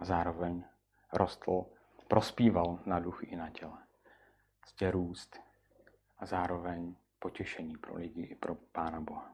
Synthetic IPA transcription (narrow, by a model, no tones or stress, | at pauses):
ʔazaːɾo̞vɛɲ | ɾʔost̪l̩ | pɾʔo̞spiːvalnaduxɪʔɪnacɛlɛ | sɟɛɾuːst̪ | ʔazaːɾo̞vɛɲ | po̞cɛʃɛɲiːpɾo̰lɪɟɪʔɪpɾopaːnaboɦa